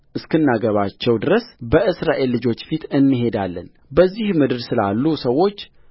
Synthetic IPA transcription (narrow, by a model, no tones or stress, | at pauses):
ʔɨskɨnːaɡəβat͡ʃːɛwd̪ɨɾəsbəʔɨsɾaʔe̞lːɨd͡ʒo̞t͡ʃːfit̪ʰɨnːɨɦe̞d̪alːə̰n | bəzːihmɨd̪ɨɾsɨla̰lːusəwo̞t͡ʃː